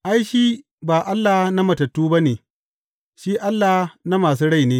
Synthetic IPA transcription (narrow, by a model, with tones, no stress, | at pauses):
ʔa˦jʃiː˦ | baː˨ʔa˦lːaː˨hna˦mɐ˨tɐ˨tːuː˦ba˦neː˨ | ʃi˦ʔa˦lːa˨˦na˦maː˨s̬uː˦ɽa˦jneː˦